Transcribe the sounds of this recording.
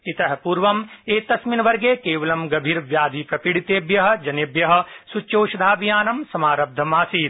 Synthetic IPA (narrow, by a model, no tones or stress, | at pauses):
it̪ɐɦpuːɾʋɐmeːt̪ɐsminʋɐɾɡeːkeːʋɐlɐmɡɐbʱiːɾʋjaːd̪ʱipɾɐpiɽit̪eːbjɐɦɐ̆d͡ʒɐnebjɐɦɐ̆sut͡ʃoːʃɐd̪ʱaːbijaːnɐmsɐmaːɾɐb̚d̪ʱɐmaːsiː